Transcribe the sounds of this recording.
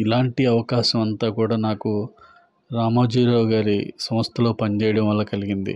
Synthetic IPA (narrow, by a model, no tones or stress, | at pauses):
ilaːɳʈiɐʋɐkaːʃɐmɐnt̪aːkuːɽaːnaːku | ɾaːmaːd͡ʒiːɾawɡaːɾisɐmɐst̪ʰɐlo̞ːpɐnt͡ʃɛːjɐɽɐmʋɐlːɐkɐliɡind̪ḭ